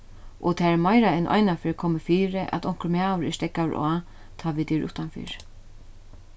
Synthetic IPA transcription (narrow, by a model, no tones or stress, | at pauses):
ʔɔ̰t̪ʰaɛɾmajɾaɛnʔɔ̰jnafɪːɾkʰɔːmɪfiːɾɪʔæ̰t̪ɔŋ̥kəɾmaːwɾɛst̪ɛkːawɾʔɔː | t̪ʰaːʋɪt̪ɪɾʊ̰ht̪anfɪ̰ːɹ